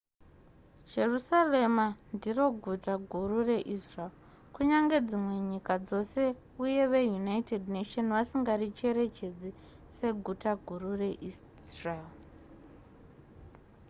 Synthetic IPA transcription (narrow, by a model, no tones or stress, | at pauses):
d͡ʒe̞rusale̞mandiro̞ɡʱutaɡʱurure̞ʔisral | kuɲaŋɡe̞d͡zimwe̞ɲikad͡zo̞se̞ | uje̞ʋejunaitednetonʋasiŋɡarit͡ʃe̞ɾe̞t͡ʃe̞d͡zi | se̞ɡʱutaɡʱurure̞ʔi | ral